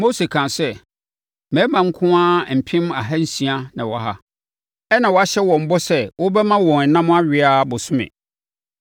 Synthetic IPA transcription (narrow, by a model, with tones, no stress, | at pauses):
mo˦se˨kʰã˨nsɛ˦ | mɛ̃˨˦mã˨ŋ̩˦kʰʊ̃˦ã˦˨m̩˨pʰɪ̃˦m˦a˨ɦɛ˦n̩˦sĩ˨a˦nã˨wɔ˨ɦa˦ | ɛ˦nã˨wɔ˨˦a˦ɕɛ˦wɔ̃˨m̩˨bɔ˦sɛ˦wʊ˦bɛ˦mã˦wɔ̃˨n˨nã˦m̃˦a˦ɥɪ˨a˦˨bʊ˨sʊ̃˦mɪ̰̃˨